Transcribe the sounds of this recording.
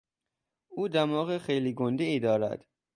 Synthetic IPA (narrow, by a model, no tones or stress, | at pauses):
uːd̪æɾmɒːɣexejliːɡond̪eiːd̪ɒːɾæ̰d̪̥